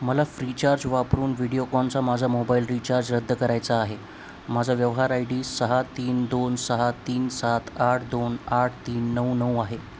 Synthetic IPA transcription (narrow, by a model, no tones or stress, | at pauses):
məlafɾit͡ɕaɾd͡ʑʋapɾuːnʋiɽijokɔnt͡samad͡zʱamobailɾit͡ɕaɾd͡ʑɾəd̪ʱːəkəɾajt͡saːɦe | mad͡zʱaʋjəʋɦaɾajɽiːsəɦat̪iːnd̪onsəɦat̪iːnsat̪aʈʰd̪onaʈʰt̪iːnːəunəwaɦe